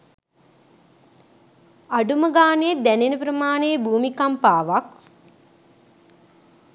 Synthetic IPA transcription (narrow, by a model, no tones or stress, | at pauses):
aɖuməɡaːned̪ænenəpɾəmaːnejːbuːmikampaːʋak